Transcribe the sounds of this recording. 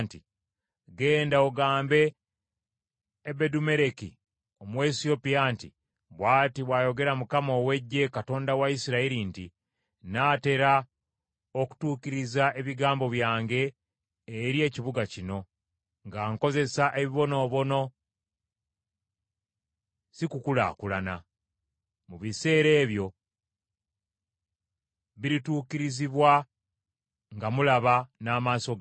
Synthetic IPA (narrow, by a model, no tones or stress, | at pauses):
nti | ɡe̞ːndaoɡaːmbe̞ | bedume̞ɾekḭ | o̞mwe̞sio̞pijaːntḭ | βwaːtiβwaːjo̞ɡe̞ɾamukamo̞ːwe̞ɟːe̞kato̞ːndawaisiɾaiɾinti | naːte̞ɾa | oku̥tuːkiɾizaʔe̞βiɡaːmbo̞βjaːŋɡe̞ː | ɾje̞ːciβuɡacino̞ | ŋɡaːŋko̞ze̞saʔe̞βiβo̞no̞ːβo̞no̞ | sikukula̰ːkulana | muβise̞ːɾe̞ːβjo̞ | βiɾituːciɾiziβwa | ŋɡamulaβanaːmaːso̞ɡ